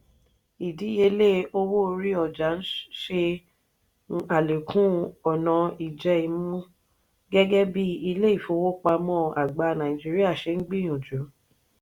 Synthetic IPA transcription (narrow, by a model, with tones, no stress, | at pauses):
i˨di˨˦e˧˦le˦o˦wo˦˧ɾi˦ɔ˨d͡ʒa˨˦n̩˦ʃe˧˦ | a˨le˨kʰũ˦ɔ˨nã˧i˨d͡ʒɛ˧i˧mũ˦ | ɡɛ˦ɡɛ˦bi˦i˧le˦i˦˨fo˧˦wo˦k͡pa˧mɔ̃˦˨a˨ɡ͡ba˧˦nã˨ĩ˨d͡ʒi˦ɾi˦a˦˨ʃe˧n̩˦ɡ͡bi˦j̃ɔ̃˨d͡ʒu˨˦